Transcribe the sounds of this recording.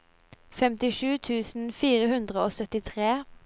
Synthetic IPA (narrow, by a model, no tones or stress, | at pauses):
fɛmt̪ɪʃʉːt̪ʰʉːsn̩fiːʁəhʉnd̪ʁəoːsœt̪ɪt̪ʰʁeː